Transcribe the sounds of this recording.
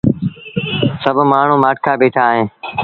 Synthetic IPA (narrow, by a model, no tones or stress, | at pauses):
səbʱmaːɳ̤ũːmaːʈ̚kʰaːbeːʈʰaːɦẽː